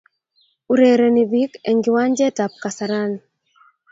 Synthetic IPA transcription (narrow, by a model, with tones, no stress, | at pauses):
u˨ɾe˨ɾe˨ni˨bi˦kɛ˨ŋɡɪ˨wa˦ɲd͡ʒɛ˦ta˨p̚ka˨sa˨ɾan